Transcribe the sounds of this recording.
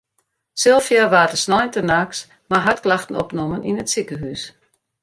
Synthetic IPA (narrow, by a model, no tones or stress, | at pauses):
sɪlˠfjaʋaːdəsnɔjntənaːks | maɦatklaxtən̩ɔ̰pnɔmənʔinətsikəɦys